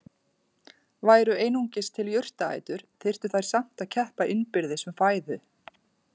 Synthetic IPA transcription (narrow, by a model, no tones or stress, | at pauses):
vaːjɾʏeːjnuɲcɪst̪ʰɪljʏr̥t̪aa̰ːjt̪ʏɾ̥θer̥t̪ʏθajɾ̥sam̥t̪aðcʰɛhpaʔɪnpɪɾðɪsʏmfaːjðʏ